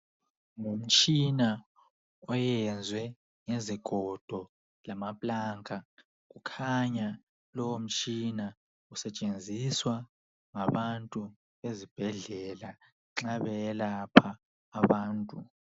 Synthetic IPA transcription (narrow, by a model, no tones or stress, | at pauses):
ŋum̩t͡ʃʼina | ɔjɛnd͡zʱwɛ | ŋeziɡ̥ʱɔd̥ʱɔ | lamapʼlaːŋkʰʼa | kukʰaɲa | lɔwom̩t͡ʃʼina | usɛt͡ʃʼend͡zʱiswa | ŋaβantʼu | βezib̥ʱɛɮɛla | ǁaβɛlapʰaː | βaːntʼu